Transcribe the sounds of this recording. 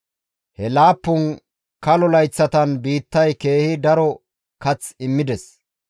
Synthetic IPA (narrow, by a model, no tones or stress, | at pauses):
hɛlaːpːʊn | kɐlɔlɐjt͡sːɐt̪ɐnbiːt̪ːɐjke̞ːhɪd̪ɐɾɔ | kɐt͡sɪmːɪd̪ɛs